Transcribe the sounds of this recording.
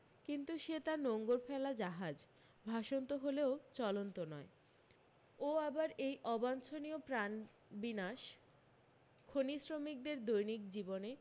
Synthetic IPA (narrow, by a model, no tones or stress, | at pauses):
kint̪uʃet̪aɾnoŋɡoɾpʰɛlad͡ʑaɦad͡ʑ | bʱaʃont̪oɦoleot͡ɕɔlont̪onɔe | oabaɾejʔɔbant͡ɕʰoniopɾan | binaʃ | kʰonisɾomik̚d̪eɾd̪ojnik̚d͡ʑibone